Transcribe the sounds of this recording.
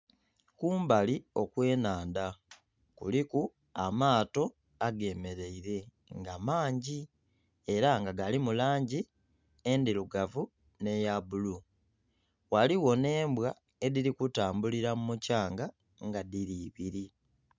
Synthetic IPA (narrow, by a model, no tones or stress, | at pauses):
kuːmbalio̞kwe̞ːnaːnda | kṵliku | amaːto̞ | aɡe̞me̞ɾe̞iɾe̞ | ŋɡamaːɲɟi | eɾaŋɡaɡalimulaːɲɟi | endiluɡavu | ne̞jabulu | waliwo̞ne̞ːmbwa | e̞ðiɾikutaːmbuliɾamumucaːŋɡa | ŋɡaðiɾiːβiɾi